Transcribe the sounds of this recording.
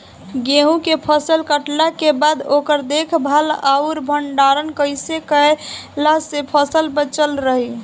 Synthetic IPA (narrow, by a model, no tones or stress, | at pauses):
ɡeɦũkepʰəsəlkəʈlakebad̪okəɾd̪ekʰbʱalauɾbʱəɳɖaɾənkəjsekəlasepʰəsəlbət͡ʃəlɾəɦi